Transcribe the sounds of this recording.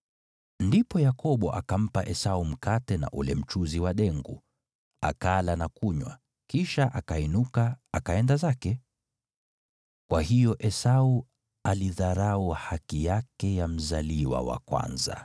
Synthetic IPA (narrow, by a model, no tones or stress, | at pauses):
ndipɔjakɔɓɔʔakam̩paʔɛsaum̩katɛna̰ʔulɛm̩t͡ʃuziwaɗɛŋɡu | akalanakuɲwa̰ | kiʃaʔakainukaːkaɛndazakɛ | kwahijɔʔɛsau | aliðaɾauhakijakɛjam̩zaliwa̰wa̰kwa̰nza̰